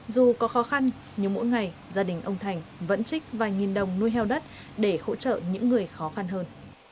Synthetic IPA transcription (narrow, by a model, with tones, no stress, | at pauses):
zu˨˩kɔ˨˦xɔ˨˦xa˧n | ɲɨ˧˦˥mo̰˧˥jŋa˨˩jzaː˧ɗï˨˩ŋ̟ʔə˧wŋ͡mt̪ʰa˨˩jŋ̟və̰˧˥nt͡ɕï˦˥k̟̚vaː˨˩jŋi˨˩nɗə˨˩wŋ͡mnu˧jɦɛ˧wɗə˦˥t̚ | ɗe˧˩ho̰˧˥t͡ɕə̰ː˧˨ɲɨ̰˧˥ŋːɨ˨˩əjxɔ˨˦xa˧nɦəː˧n